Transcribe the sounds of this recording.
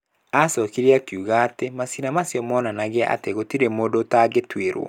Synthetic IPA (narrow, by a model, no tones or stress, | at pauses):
asɔkiɾiakjuɣaːtemasinamasjɔmɔnanaɣeaʔa̰teɣotiɾemoːdotaɡetweɾwɔ̰